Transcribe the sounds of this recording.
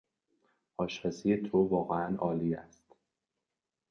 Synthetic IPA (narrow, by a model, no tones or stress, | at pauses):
ʔɒːʃɒːsijet̪ʰovɒːɣeænʔɒːliːæst̪